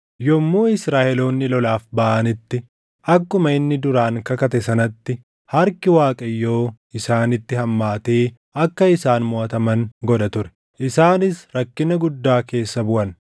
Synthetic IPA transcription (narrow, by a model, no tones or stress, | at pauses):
jɔmːoːɪsɾaːʔɛlo̞ːnːɪlɔlaːfbɐʔɐnɪt̪ːɪ | ʔɐkːʊmɐɪnːɪd̪ʊɾaːŋkɐkɐt̪ɛsɐnɐt̪ːɪ | hɐɾkɪwaːkʼɐjːo̞ː | ɪsaːnɪt̪ːɪhɐmːaːt̪eː | ɐkːɐɪsaːnmʊʔɐt̪ɐmɐŋɡɔᶑɐt̪ʊɾɛ̥ | ʔɪsaːnɪsɾɐkːɪnɐɡʊd̪ːaːke̞ːsːɐbʊʔɐn